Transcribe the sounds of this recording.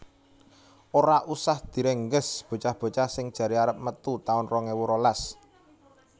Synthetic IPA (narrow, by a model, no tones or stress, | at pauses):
ʔoɾaʔusahd̪̥i̤ɾeŋɡəsb̥o̤t͡ʃahb̥o̤t͡ʃahsɪŋd̥ʒ̥ä̤ɾiaɾəp̚mət̪ut̪aʊnrɔŋewuɾolas